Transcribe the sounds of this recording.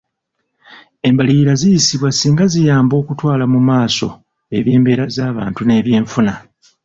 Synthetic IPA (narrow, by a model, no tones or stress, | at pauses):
e̞mbaliɾazijisiβwasiːŋɡazijaːmbo̞ːkutwaːlamumaːso̞̰ | e̞βje̞ːmbe̞ːɾazaːβa̰ːntune̞ːβje̞ːɱfuna